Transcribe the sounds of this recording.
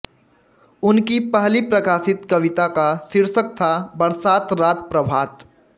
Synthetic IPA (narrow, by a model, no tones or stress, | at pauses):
ʊnkipəɦlipɾɐkaːsɪt̪kɐʋɪt̪akasɪɾsək̚t̪ʰabɐɽsaːt̪ɾaːt̪pɾɐbʱaːt̪